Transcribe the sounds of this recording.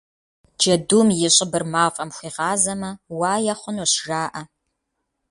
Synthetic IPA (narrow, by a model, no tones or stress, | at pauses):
d͡ʒɐduːmjɪɕʼɪbɨrmaːfʼɐmxʷiːʁɑːzɐmɐwaːjɐχʷʊnoɕʒaːʔɐ